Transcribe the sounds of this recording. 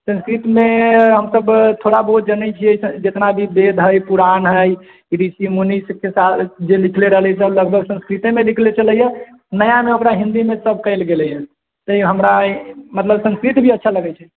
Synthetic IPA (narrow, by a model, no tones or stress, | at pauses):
sə̃nskɾit̪meɦəmsəbt̪ʰoɽabəɦut̪̚d͡ʒənət͡ʃʰied͡ʒet̪nabʱibed̪ʱɦəjpuɾanɦəj | iɾisimoniskesad͡ʒelikʰleɾəɦəlɛs̬əbləɡ̚bʱəɡsə̃nskɾit̪emelikʰlet͡ʃələjə | nəjameokɾaɦĩnd̪imesəb̚ʱkəɪlɡelɛjə | t̪əiɦəmɾamət̪ləbsə̃skɾit̪bʱiətːʃʰaləɡɛt͡ʃʰɛ